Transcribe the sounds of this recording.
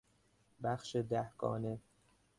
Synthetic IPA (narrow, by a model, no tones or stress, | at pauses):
bæxʃed̪æhɡ̥ɒ̰ːne